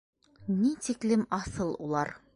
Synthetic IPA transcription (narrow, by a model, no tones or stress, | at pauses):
nit̪iklɘmɑsɤlˠṵlˠɑɾ